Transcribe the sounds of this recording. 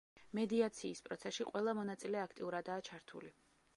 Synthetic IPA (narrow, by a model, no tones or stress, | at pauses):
mɛd̪iat̪sʰiːspʼɾɔt̪sʰɛsʃiqʼwɛlˠamɔnat̪sʼilɛakʰt̪ʼiuɾad̪aːt͡ʃʰaɾt̪ʰṵli